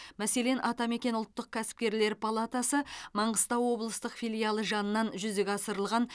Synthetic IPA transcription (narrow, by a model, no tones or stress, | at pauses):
mæse̞le̞nʔɑt̪ɑme̞kʲe̞nʊlˠt̪ːəq̚kʲʰæsɪ̥p̚kʲe̞ɾle̞ɾpʰalˠat̪asəmɑɴʁəst̪ɑwwo̞blˠəst̪əqfʲijlʲijalˠəʒɑnənɑnʒʏzd̪eɡʲɑsəɾəlˠʁɑn